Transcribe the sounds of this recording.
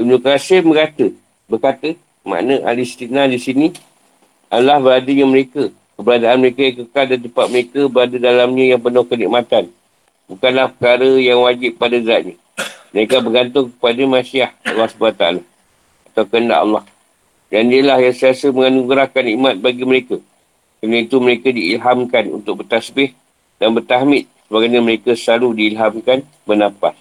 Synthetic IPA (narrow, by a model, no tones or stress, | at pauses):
unokasembəkat̪ə | bərkat̪ə | ma̰ʔnəʔa̰list̪inadisini | ʔalahbəɾadəɲaməɾeka | kəbəɾadaanməɾekajaŋkəkaldant̪əpat̪̚məɾekabəɾadədalamɲəjaŋpənʊhkənḭʔmat̪an | bukanlahpəkaɾəjaŋwad͡ʒɪp̚ːadaɡaʔ̪̚ɲa | məɾekabəɡant̪̬ʊŋkə̥padamãsiahɑ̰lːɑhsəbaat̪aa̰la | at̪awkəənda̰ʔɑ̰lːɑh | dandiəlahjaŋsiasəməŋanuɡɾahkanimat̪̚baɡiməɾeka | kɾanait̪uməɾekadiːlɦamkanṵnt̪ʊk̚bərt̪asbɪh | danbərt̪aɦmɪt̪̚səbaɡajɲaməɾekasəlaludiːlɦamkan | bənãpas